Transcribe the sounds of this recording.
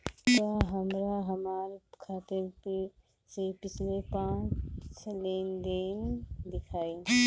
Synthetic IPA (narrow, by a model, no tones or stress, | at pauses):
t̪ɔɦəmɾaɦəmaɾkʰat̪ɪɾke | sepɪt͡ʃʰlepãt͡ʃlend̪end̪ɪkʰaːi